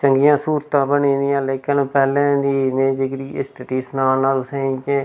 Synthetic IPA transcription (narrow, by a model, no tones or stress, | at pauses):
t͡ʃəŋɡɪjãːsuːɾt̪ãːbəniːd̪ijãːleːkənːpɛːlɛ̃ːd̪iːmeːd͡ʒɪkɾiːʔɪ̰sʈəʈiːsnaːnaːlsẽke